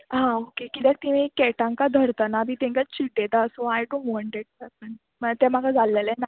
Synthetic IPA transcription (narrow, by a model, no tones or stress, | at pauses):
ɦãokekit̪ɛk̚t̪iʋĩkɛʈãŋkad̪ʱəɾt̪anabit̪ɛ̃ŋkat͡ɕiʈ̚d̪et̪aəsoajɖõɳʈʋɔ̃ɳʈeʈ̚papən | mət̪ɛm̤aɡʰʱad͡zʱalːelɛna